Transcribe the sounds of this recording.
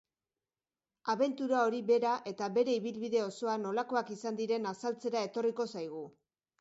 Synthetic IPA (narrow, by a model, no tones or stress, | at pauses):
aβe̞nt̪uɾao̞ɾiβe̞ɾaʔe̞t̪aβe̞ɾe̞iβ̞ilβiðe̞o̞so̞ano̞lako̞akisand̪iɾe̞nasalt͡se̞ɾae̞t̪o̞riko̞sajɣ̞u